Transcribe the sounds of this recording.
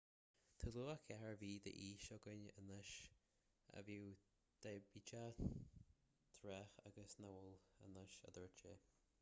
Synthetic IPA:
t̪ʰəluːakʰɛhəɹviːd̪ə̰ʔiːʃɔɡənə̰nəʃ | ə̰viw | d̪̥ɛbit͡ʃa | t̪ʰɾɛxa̰ɡəsnawələ̰nəʃə̰d̪əɹt͡ʃe

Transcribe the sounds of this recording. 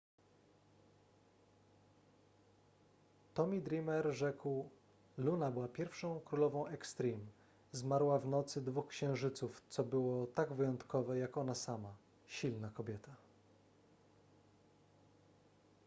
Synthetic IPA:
t̪ɔmʲid̪ɾʲimɛɾʐɛkw | lunabɘwapʲjɛɾfʂɔ̃w̃kɾulɔvɔ̃w̃ɛkst̪ɾʲim | zmaɾwavnɔt̪sɘd̪vuxkɕɛ̃w̃ʐɘt̪suft̪sɔbɘwɔt̪aɡvɘjɔnt̪kɔvɛjakɔnasama | ɕilnakɔbʲjɛt̪a

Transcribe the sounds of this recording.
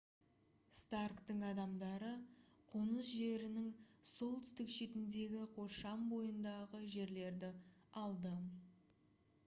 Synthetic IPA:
st̪arkt̪əŋɑd̪ɑmd̪ɑɾə | qʰonəsʒe̞ɾɪnɪŋso̞lˠt̪ʏst̪ɪkʃe̞t̪ɪnd̪e̞ɡʲɪqʰo̞ʃɑmbo̞jənd̪ɑʁəʒe̞ɾle̞ɾd̪ɪ | ɑlˠd̪ə

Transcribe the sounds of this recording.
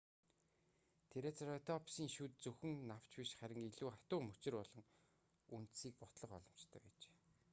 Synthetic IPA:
t̪ʰeɾeːt͡sarɔt̪ʰɔpsiːŋʃut̪̚t͡sɵxɵ̆ŋnaw̥t͡ɕpiʃχæɾʲɪ̆ŋeɮuːχḁt̪ʊːmɵt͡ɕɪ̆rpɔɮɞ̆ŋ | unt̪siːk̚pɔt̪ɮə̆qɔ̰ɮɞ̆m̥t͡ɕt̪ʰœ̰ːpæ̰ːt͡ɕe̥ː

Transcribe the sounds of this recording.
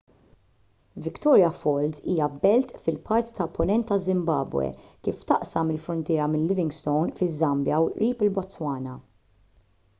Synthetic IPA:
vɪkt̪ɔːɾjɐfɔld̪iːjɐbɛlt̪fɪlpɐɾt̪it̪ɐpːʊnɛnt̪ːɐzɪmbɐ̰ːbwɛ̰kiːft̪ɐʔsɐmɪlfɾʊnt̪ɪːɾɐmɪlːɪvɪ̃ŋɡst̪ɔwnfɪzːɐmbjɐwɾiːpɪlbɔt͡sːwɐːnɐ

